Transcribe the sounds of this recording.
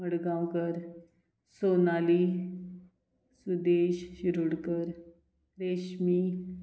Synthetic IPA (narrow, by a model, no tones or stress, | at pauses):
məɽɡãwkəɾ | sonali | sud̪eɕɕiɾuɽkəɾ | ɾeɕmi